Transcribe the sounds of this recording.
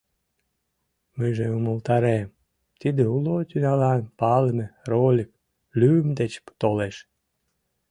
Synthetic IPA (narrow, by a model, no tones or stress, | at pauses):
məjʒeuməlt̪ɑɾem | t̪id̪eulot̪ynɑlɑnpɑləmerolʲik̚ | lʲyəmd̪et͡ɕt̪oleʃ